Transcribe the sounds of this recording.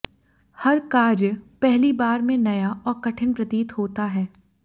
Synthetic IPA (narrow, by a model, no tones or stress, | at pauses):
hɐɾkaːɾjəpɛɦlibaːɾmẽnɐjaʔɔːɾkɐʈʰənpɾɐt̪iːt̪hoːt̪aɦɛː